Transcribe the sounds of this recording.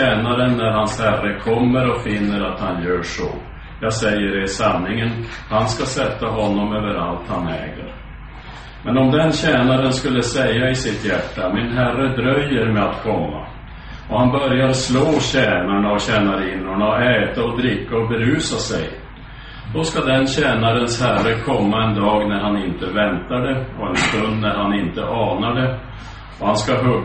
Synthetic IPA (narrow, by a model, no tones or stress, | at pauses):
ɛːnaɾənːæɾɦanshærəkʰɔmːəɾɔfɪnːəɾat̪hanjœːʂɔ̰ | jɑːɡsɛjːəɖɛsanːɪŋənhanskasɛt̪ːaɦɔnːɔmøːvəɾa̰lt̪hanɛ̰ːɡə̰ɾ | mɛnɔmd̪ɛnɕɛːnaɾənskɵlːəsɛjːaɪsɪt̪jæʈːamɪnɦærəd̪ɾœjːəɾmɛat̪kʰɔmːa̰ | ɔhanbœɾjaɾsloːɕɛːnaɳaɔɕɛːnaɾiːnʊɳaɔɛːt̪aɔd̪ɾɪkːaɔbɛɾʉ̟ːsasɛ̰j | d̪̥ɔskad̪ɛnɕɛːnaɾənshærəkʰɔmːaɛnd̪ɑːɡnæɾhanɪnt̪əvɛnt̪ad̪ɛɔɛnst̪ɵnd̪næɾhanɪnt̪əʔɑːnaɖɛ | ɔhanskaɦɵ